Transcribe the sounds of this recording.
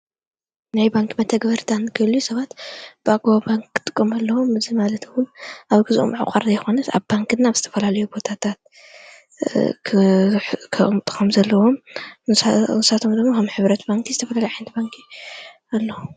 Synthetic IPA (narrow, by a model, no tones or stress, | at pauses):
najbaŋkʰʼmɐt̪ʰɐɡbɐɾt̪ʰanɨɡɐljusɐβat̪b̥ɨaɡabaŋkʰːɨt̪ʼɨ̥kʼːomalːɐwomɨzimalɐt̪wʊnʔaβɡɨzuʔo̰mʕa̰qʼa̰ɾzajxo̞nɐt̪a̰βbaŋkɨnːaβzɨt̪ʰɐ̥fɐlalɐjubot̪ʰat̪ʰat̪̚ | kʰmt̪ʼɨ̥xomzɐlːɐwo̞m | nsat̪ʰo̞md̪ɨɡmokʰɐmħɨβɾɐt̪baŋkʰizɨt̪ʰɐfɐlalɐjħant̪baŋkʰi | alːɐwu